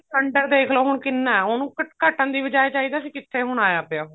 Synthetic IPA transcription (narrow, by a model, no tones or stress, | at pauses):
kəɳɖəɾd̪eːkʰloːɦʊɳkɪnːãːoːnũːkəkəʈːənd̪iːʋəd͡ʒaːjt͡ʃaːiːd̪aːəsĩːkɪt̪ʰːeːɦʊɳ̃aːjaːpeoː